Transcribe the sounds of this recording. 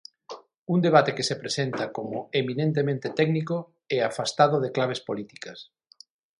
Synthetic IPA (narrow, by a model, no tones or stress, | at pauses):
und̪eβ̞at̪ekesepɾesent̪ɐkomʊeminẽnt̪̬emẽnt̪et̪ɛɡniko | ɛafast̪aðʊðeklaβespolit̪i̥kɐs